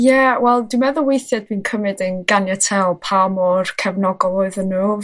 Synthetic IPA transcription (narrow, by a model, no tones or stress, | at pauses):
jɛwɛlˠd̥ɪmɛðɔwejθjad̚minkʰəmɨdənɡanjatʰɛlˠpʰamɔrkʰɛvnɔɡɔlˠʊɨðənuː